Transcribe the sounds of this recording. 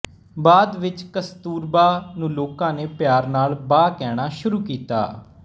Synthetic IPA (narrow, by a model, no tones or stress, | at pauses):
baːd̪ʋɪt͡ʃkəst̪uːɾbaːnũːloːkãːneːpjaːɾnaːlbaːkɛːɽ̃aːʃʊɾuːkiːt̪a̰ː